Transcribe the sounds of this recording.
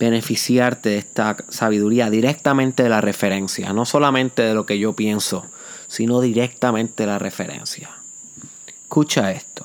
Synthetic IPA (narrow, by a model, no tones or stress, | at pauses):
b̥e̞ne̞fisjaɾt̪e̞ðest̪asaβiðuɾiaðiɾe̞k̚t̪amẽnt̪e̞ðe̞lare̞fe̞ɾe̞nsja̰no̞solamẽnt̪e̞ðe̞lo̞ke̞ʝo̞pje̞nso̞ | sino̞ðiɾe̞k̚t̪amẽnt̪e̞ðelare̞fe̞̰ɾḛ̃nsja | ekut͡ʃae̞st̪o̥